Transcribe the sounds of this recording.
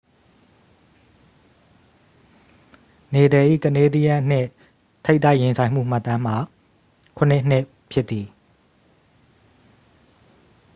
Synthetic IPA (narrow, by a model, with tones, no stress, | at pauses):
ne˨dɛ˨ʔḭ˦˨kə˨ne˦di˦ja˦n̥ɪ̃˦˨ | t̪ʰe˦ɪt̪ːa˦˨jɪ̃˨nsʰã˨ɪ̃m̥ṵ˦˨m̥a˦t̪ã˦m̥a˨ | kʰʊ̃˨n̥ɪ˦ʔn̥nɪ˦ | pʰjɪ˦t̪ːi˨